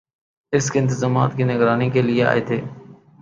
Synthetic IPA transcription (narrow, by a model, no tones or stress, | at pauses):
ɪskeɪnt̪ɪzaːmaːt̪kiːnɪɡɾaːnikelɪea̰ːḛːt̪ʰeː